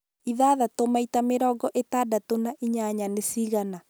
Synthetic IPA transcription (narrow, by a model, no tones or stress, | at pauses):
iðaːðatomaitameɾɔːɡɔʔetaːdatonaʔiɲaɲanesiɣana